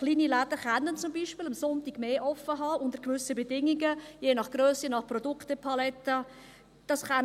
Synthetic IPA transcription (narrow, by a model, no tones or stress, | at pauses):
χliːnilædəɾχanːənt͡sʊmbiʃpɪːləmsɔntiɡmeːʔɔfəɦɑːʊndəɾkvʏsəbɛdɪŋiɡəjeːnɑχɡ̥røːsinɑχprɔdʊktəpʰɑlɛt̪ːə | d̥ɑsχan